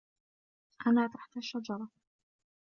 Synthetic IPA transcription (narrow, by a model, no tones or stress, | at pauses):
ʔanaːt̪aħt̪aʃːad͡ʒɑɾˤɑ